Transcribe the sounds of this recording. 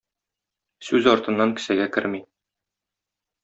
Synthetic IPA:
sʉzɒɾt̪ɤ̆nːɑŋkɘ̥̆sæɡækɘ̰ɾmi

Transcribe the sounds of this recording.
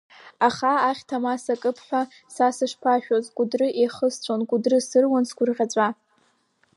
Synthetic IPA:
aχaaχʲtʰamasakʼɨpʰħʷᶣa | sasɨʂpʰaʃᶣozɡʷʼʊdrɨʔejχəst͡ɕʷʰonɡʷʼʊdrɨsɨrwansɡʷʊrʁʲat͡ɕʷʼa

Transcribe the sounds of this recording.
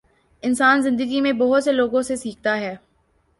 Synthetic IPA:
ɪnsaːnzɪ̃nd̪əɡimẽbɐɦʊt̪seloːɡõsesiːk̚ʰt̪aɦɛː

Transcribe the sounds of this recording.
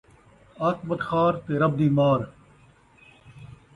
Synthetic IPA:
aːt̪bɐt̪xaːɾt̪eːɾɐb̚d̪iːmaːɾ

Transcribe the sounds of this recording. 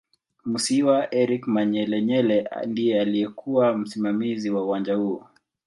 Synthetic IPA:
musiwaʔɛɾikmaɲɛlɛɲɛlɛndijɛalijɛkʰuwam̩simamiziwauwand͡ʒahuɔ

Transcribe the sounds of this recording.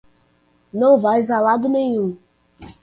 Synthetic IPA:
nɐ̃w̃vajzalad̪ʊnẽɲũ

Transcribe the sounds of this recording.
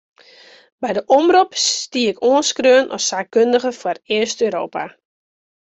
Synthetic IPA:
bɛjdəʔɔmrupstiəɪkoənskrøənʔɔ̰saːkkøndəɣəfwɔrɪəstøːɾoːpa

